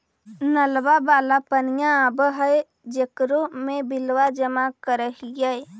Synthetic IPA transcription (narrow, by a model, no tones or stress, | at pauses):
nəlʋabaːlapənijãːbɦəe | d͡ʒekɾomebilwad͡ʒəmakəɾəɦijəj